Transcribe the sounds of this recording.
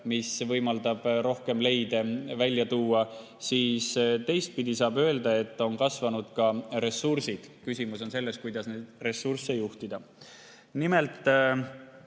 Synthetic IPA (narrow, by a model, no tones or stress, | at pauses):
misvɤjmɑld̪ɑb̥ɾo̞hke̞mle̞jd̪e̞vælʲjɑt̪uːɑ | siːst̪e̞jst̪̚pid̪isɑːbø̞eld̪ɑe̞t̪ːo̞nkɑsvɑnud̪̥kɑre̞sursid̪̥kysʲimuso̞nse̞lːe̞st̪̚kujd̪̥ɑsned̪̥re̞sːursːe̞juht̪id̪̥ɑ | nime̞lt̪ːˑ